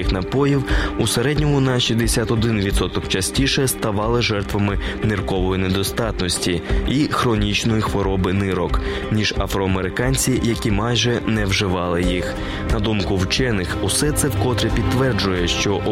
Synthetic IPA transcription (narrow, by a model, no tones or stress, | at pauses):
ixnɐpɔjiwuseɾɛdʲnʲɔmʊnɐʃizd̪esʲat̪ɔd̪ɪnʋʲit̪sɔt̪ɔkt͡ʃɐsʲtʲiʃɛst̪ɐʋɑlˠɪʒɛrt̪ʋɐmɪnɪrkɔʋɔjined̪ɔst̪ɑt̪nɔsʲtʲiixɾɔnʲit͡ʃnɔjixʋɔɾɔbɪnɪɾɔk | nʲiʒ̥ɐfɾɔɐmeɾɪkɑnʲt͡sʲijɐkʲimɑjʒɛnɛwʒɪʋɑlˠɪjix | nɐd̪umkʊwt͡ʃɛnɪxusɛt̪sɛwkɔt̪ɾʲepʲid̪t̪ʋɛrd͡ʒʊjɛʃt͡ʃɔʔ